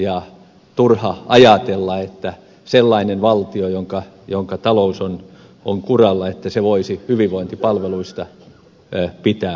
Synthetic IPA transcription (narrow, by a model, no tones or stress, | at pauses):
jɑ | t̪urhɑɑjɑt̪elːɑet̪ːæ | selːɑinenʋɑlt̪iojoŋkɑ | joŋkɑt̪ɑlouson | oŋkurɑlːɑet̪ːæseʋoisihyʋiʋʋoint̪ipɑlʋeluist̪ɑ | pit̪æː